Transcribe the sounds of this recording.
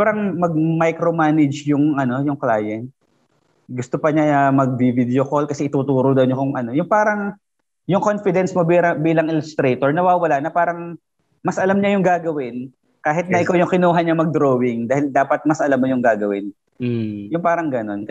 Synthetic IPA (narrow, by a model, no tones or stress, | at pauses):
ɾɐŋmɐɡ̚mɐjkɾomaːnɛd͡ʒjʊŋʔɐno̞jʊŋklaːjɛnt̪̚ | ɡʊst̪opɐɲamɐɡ̚bivid̪ɛokolkɐsɛʔɪt̪uːt̪uːɾod̪ɐʔʊnɲokʊŋʔɐno̞jʊŋpaːɾɐŋ | jʊŋko̞nfɪd̪ɛnsmobiɾɐbiːlɐŋɪlʊst̪ɾɛjt̪oɹnɐwaːwɐlanɐpaːɾɐŋ | mɐsʔɐlamɲajʊŋɡaːɡɐwɪn | kaːɦɪt̪̚nɐʔɪkawjʊŋkɪnuːɦɐɲɲɐmɐɡ̚d̪ɾoːwɪŋd̪aːhɪld̪aːpɐt̪̚mɐsʔɐlamːojʊŋɡaːɡɐwɪn | jʊŋpaːɾɐŋɡɐno̞nk